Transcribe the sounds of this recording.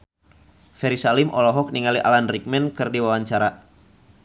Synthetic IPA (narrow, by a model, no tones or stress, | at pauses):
fɛɾisalimʔɔlɔɦɔk̚niŋaliʔalanrik̚mɛnkɨrdiwawaɲt͡ʃaɾa